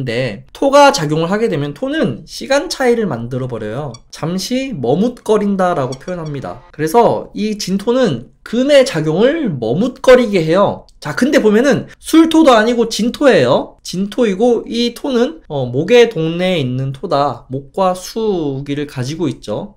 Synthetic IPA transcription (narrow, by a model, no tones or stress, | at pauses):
nde̞tʰoɡat͡ɕaɡjoŋɯɭɦaɡe̞dwe̞mjʌntʰonɯnɕʰiɡant͡ɕʰaiɾɯɭmandɯɾʌbʌɾjʌjot͡ɕamɕʰimʌmut̚k͈ʌɾindaɾaɡopʰjojʌnɦamɲida̰kɯɾe̞sʰʌit͡ɕintʰonɯnkɯme̞t͡ɕaɡjoŋɯɭmʌmut̚k͈ʌɾiɡeɦe̞jot͡ɕakɯnde̞bomjʌnɯnsʰuɭtʰodoaɲiɡot͡ɕintʰoɦe̞jot͡ɕintʰoiɡoitʰonɯnʌmoɡe̞toŋne̞inːɯntʰodamok̚k͈wasʰuɡiɾɯɭkad͡ʑiɡoit̚t͡ɕ͈o